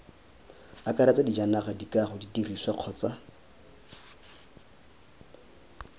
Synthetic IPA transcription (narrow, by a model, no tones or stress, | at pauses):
akaɾat͡sadid͡ʒanaχadikʼaχʊditiriswaq͡χʰɔt͡sa